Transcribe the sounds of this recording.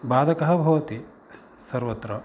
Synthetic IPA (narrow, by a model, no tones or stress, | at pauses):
baːd̪ɐkɐɦɐbʱɐʋɐt̪i | sɐɾʋɐt̪ɾɐ